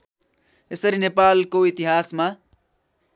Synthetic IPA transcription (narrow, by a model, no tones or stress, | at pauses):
esʌɾinepalkoit̪iɦasma